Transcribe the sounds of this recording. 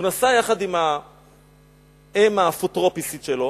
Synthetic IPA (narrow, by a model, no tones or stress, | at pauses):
nasajaχad̪ima | emafutʁopisit̪ʃelo̞